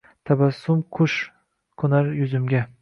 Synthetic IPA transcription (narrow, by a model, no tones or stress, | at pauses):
t̪ʰabasːʊmqʰʊʃ | kʰʊnaɾjʊzɪmɡʲa